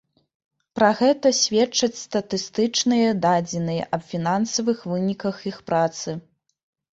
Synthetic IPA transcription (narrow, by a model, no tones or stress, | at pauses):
pɾɐɣɛt̪ɐsʲvʲɛt͡ʂɐt͡sʲst̪ɐt̪ɨst̪ɨt͡ʂnɨjɐd̪ad͡zʲɛnɨjɐ̰ʔɐbfʲinansɐvɨxvɨnʲikɐxixpɾat̪sɨ